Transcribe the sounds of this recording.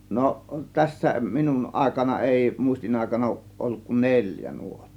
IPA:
no tæsːæ minun ʔɑˑe̝kɑnɑ eˑi muˑistinɑˑe̝kɑnɑ oˑŭʔ ʔolːuk kun nelʲjæ nuotːo̥ː

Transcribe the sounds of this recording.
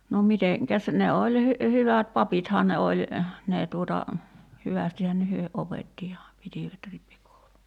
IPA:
no miteŋkæs ne olʲ hy hyʋæt pɑpithɑː ne olʲ neː tuotɑ hyʋæstihæn hyø opetːi jɑ pitiˑʋæt ripːikoulu

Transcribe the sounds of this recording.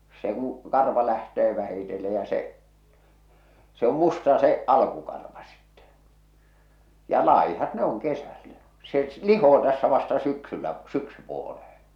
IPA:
se se o se kɑrʋɑmːuːtːo kun o se kũː kɑrʋɑ læhteː ʋæhitelːe jɑ se se om mustɑ se ɑlkukɑrʋɑ si̥tːe̥ jɑ lɑˑihɑt ne oŋ kesælːæ se lihoː tæsːæ ʋɑstɑ syksylːæ syksypuolehẽː

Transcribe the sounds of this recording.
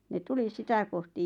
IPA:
ne tuli sitæ kohti

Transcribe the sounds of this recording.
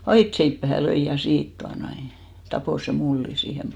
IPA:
ɑitseipːæhæ løi jɑ siːt tuɑnoi tɑpoˑ se mulːin̞ siːhem

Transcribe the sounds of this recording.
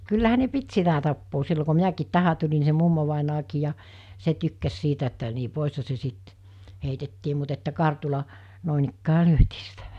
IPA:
kylːæhæ ne pit sitæ tɑpːoː silːo ku minækiːt tæhæ tulʲi ni se mumːoʋɑˑinɑːkiː jɑ se tykːæs sitæ etːæ ni poˑishɑ se sit heitetːiː mut etːæ kɑrtulɑ noˑinikːæː lyøtiː sitæ

